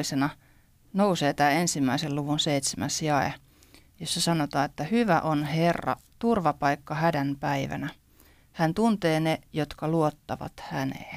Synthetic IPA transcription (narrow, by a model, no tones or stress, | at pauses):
isenɑ | nouseːt̪æːensimːæiselluʋunseit̪semʔæsjɑḛ | josːɑsɑnot̪ɑːet̪ːæhyʋæʔonherːɑ̰t̪urʋɑpɑikːɑhædænpæiʋæ̰næ | hænt̪unt̪eːnejot̪kɑluot̪ːɑʋɑ̰t̪hænḛː